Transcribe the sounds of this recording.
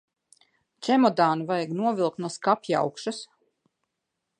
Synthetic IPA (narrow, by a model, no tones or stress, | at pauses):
t͡ʃɛmɔd̪aːnvajɡnuɔvʲilˠk̚t̪nuɔskapja̰wkʃas